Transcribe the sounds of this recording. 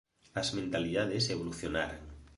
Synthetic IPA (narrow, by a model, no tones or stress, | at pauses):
azmẽnt̪aliðað̞eseβoluθjona̰ɾaŋ